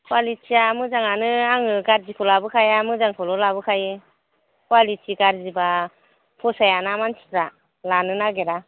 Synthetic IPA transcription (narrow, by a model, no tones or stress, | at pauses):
kwalit͡ʃiamɯzaŋanɯaŋɯɡaɾzipʰulabɯkʰajamɯzaŋpʰɔlɔlabɯkʰajɯ | kwalitʰiɡaɾziba | pʰɔsajanamansʰi̥tɾa | lanɯnaɡeɾa